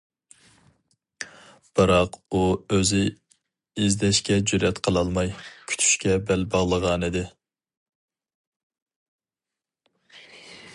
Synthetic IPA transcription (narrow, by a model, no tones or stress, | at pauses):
b̥ɨɾɑquøzɪ | izd̪ɛʃkʲɛd͡ʒyɾɛt̪qʰəlˠɑlˠmɑjkʲʰy̥t̪ʰy̥ʃkʲɛbɛlbɑʁlˠəʁɑnid̪ɪ